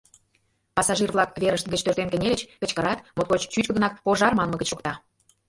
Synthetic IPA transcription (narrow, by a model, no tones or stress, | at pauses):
pɑsɑʒirβlˠɑkveɾəʃt̪ɡət͡ɕt̪ørt̪enkə̆nʲelə̆t͡ɕkə̆t͡ɕkəɾɑt̪mot̪kot͡ɕt͡ɕyt͡ɕkəd̪ə̆nɑk̚poʒɑrmɑnmə̆ɡə̆t͡ɕokt̪ɑ